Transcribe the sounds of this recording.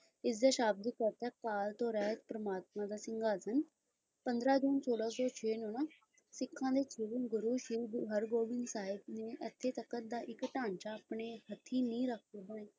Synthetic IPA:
ɪsd̪aːʃaːb̚d̪iːkəɾt̪ɛːkaːlt̪õːɾɛːt̪̚pɾəmaːt̪̚mãːd̪aːsɪŋɡaːsən | pənd̪ɾaːd͡ʒuːnsoːlaːsõːt͡ʃʰeːnõːnaː | sɪkʰːãːd̪eːt͡ʃʰɪːʋɡʊɾuːʃiːʋɦəɾɡoːʋɪnsaːɪbneːʔət̪ʰːeːt̪əkːət̪̚d̪aːʔɪkʈaːnt͡ʃaːpɳeːhət̪ʰːiːnĩːɾəkʰd̪oːbəneː

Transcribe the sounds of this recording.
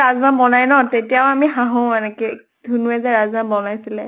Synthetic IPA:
azmabɔnajnɔtetijawamiɦaɦɔ̃ɛnɛkɛ | dʱunuɛzɛɹazmanbɔnajsilɛ

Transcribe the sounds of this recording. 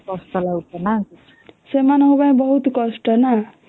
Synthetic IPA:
kʌsʈʌlaut̪ʌna | semanʌɦubaj̃bʌɦut̪kʌsʈʌna

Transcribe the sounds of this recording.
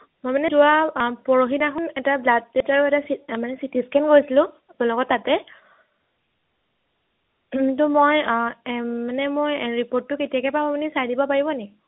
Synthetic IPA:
mojmanɛzuwapɔɹoxinaxʰʊnɛtablat̚detaɹɛtasimanɛsitiskʰanɡojsilʊ̃ | tɔlɔɡɔtːatɛ | tʊmoj | manɛmojɹipoɹtːʊketijakɛpamɔmanisajdibɔpaɹibɔnɛki

